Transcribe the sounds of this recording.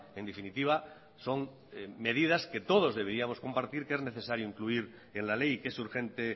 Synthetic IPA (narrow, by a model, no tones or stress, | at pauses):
e̞nd̪efinit̪iβ̞a | so̞ŋ | me̞ðið̞aske̞t̪o̞ð̞o̞zðe̞βeɾiamo̞skompaɾt̪iɾke̞zne̞θe̞saɾjoiŋkluiɾ | enlale̞jke̞suɾxẽ̞nt̪e̞